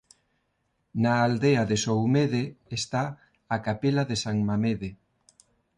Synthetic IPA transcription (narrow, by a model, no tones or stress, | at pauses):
naːld̪eaðesowmeðeːst̪a | akapelaðesaŋmameðe